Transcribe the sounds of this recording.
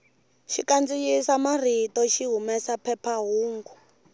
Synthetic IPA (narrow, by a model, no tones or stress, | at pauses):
ʃikand͡zijisamar̤itɔʃiɦumɛsapʰɛpʰaɦuːŋɡu